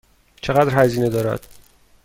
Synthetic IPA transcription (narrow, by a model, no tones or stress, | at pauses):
t͡ʃʰeɣæd̪ɾhæziːne̞d̪ɒːɾæ̰d̪̥